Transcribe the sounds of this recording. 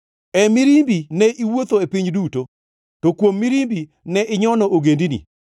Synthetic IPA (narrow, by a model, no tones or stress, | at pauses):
ɛmiɾimbinɛʔiwot̪oepiɲduto | tokwomːiɾimbi | nɛʔɪɲɔnɔoɡendinḭ